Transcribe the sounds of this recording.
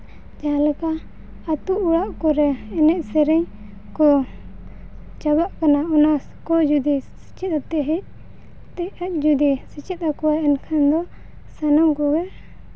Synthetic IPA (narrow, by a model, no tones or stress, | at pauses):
d͡ʒalɛkaː | t̪uʔuɽaʔkɔɾɛɛnɛʔsɛɾɛɲ | kɔ | t͡ʃabaʔkanaɔna | kɔd͡ʒud̪isi̥t͡ʃit̪̚at̪ɛʔɦɛc̚ | t̪ɛac̚ˀd͡ʒud̪isit͡ʃit̪̚akɔwaɛnkʰand̪ɔ | sanɔmkɔɡɛ